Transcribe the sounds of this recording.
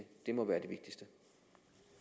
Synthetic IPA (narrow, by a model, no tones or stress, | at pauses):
d̥e̝mɒ̽ʋæːɐd̥e̝ʋe̝ɡ̥̚d̥isd̥ə